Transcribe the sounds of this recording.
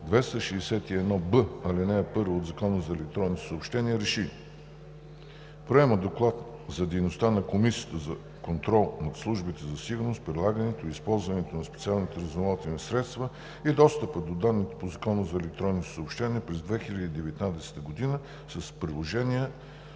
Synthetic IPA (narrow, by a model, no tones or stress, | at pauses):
d̪vɛst̪əʃɛːsɛt̪iɛd̪nɔbəɐlinɛɛpɤɾvooːd̪zɐkɔnəzɐɛlɛk̚t̪ɾɔnːit̪o̥səopʃt̪ɛniəɾɛʃi | pɾɛməd̪oklˠat̪zɐd̪ɛjnost̪anɐkomisiə̥t̪əzɐ | kont̪ɾɔlˠnɐt̪slˠuʒbit̪ɛzɐsiɡʊɾnost̪̚pɾʲilˠaɡənɛt̪oispɔlˠzvɐnɛt̪onɐspɛt̪sialˠnit̪ɛɾɐzomalˠt̪inisɾɛt̪st̪və | id̪ɔst̪əpəd̪od̪anːit̪ɛ̥pozɐkɔnəzɐɛlɛk̚t̪ɾɔnːit̪o̥səopʃt̪ɛniəpɾɛzd̪vɛxilʲəd̪iːd̪ɛvɛt̪nad̪ɛsɛ̥t̪əɡod̪inə | səspɾilˠoʒɛniə